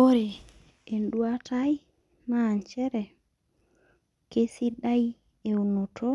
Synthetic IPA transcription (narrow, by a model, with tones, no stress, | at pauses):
o˦ɾe˨ | e˨ndu˦a˦tʰa˦j | naː˦˨ɲt͡ʃɛ˦ɾɛ˨ | ke˦si˦da˦j | e˨u˨no˨tʰo˦